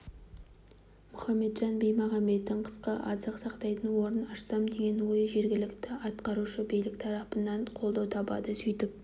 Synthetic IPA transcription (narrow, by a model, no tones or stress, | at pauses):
mʊχɑmːe̞d̪ʒɑnbejmɑʁɑme̞t̪ːɪɴqʰə̥sqəʔɑzəqsɑqt̪ɑjt̪ənwo̞ɾənɑʃsɑmd̪e̞ɡʲe̞nwo̞jʒe̞ɾɡʲɪlɪkt̪ɪɑt̪qɑɾuʃəbijlɪkʲt̪ʰɑɾɑpənɑɴqʰo̞lˠd̪ɑwt̪ʰɑbɑ̰d̪əsʏjt̪ɪp̚